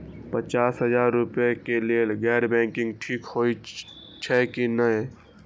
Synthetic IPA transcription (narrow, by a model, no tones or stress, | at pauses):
pət͡ʃaːsɦəzaːɾːʊpjekelelɡɛːɾbɛ̃ːŋkɪ̃ŋɡʈʰiːkhoːi | t͡ʃʰɛkinəe